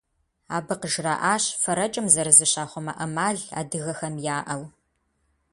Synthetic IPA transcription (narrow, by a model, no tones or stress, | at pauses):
a̰ːbɨqəʒra̰ːʔaːɕfɐɾɐt͡ʃʼɐmzɐɾɨzɨɕaːχʷɔmɐ̰ʔɐmaːɮa̰ːdɨɣɐxɐmjaːʔɐw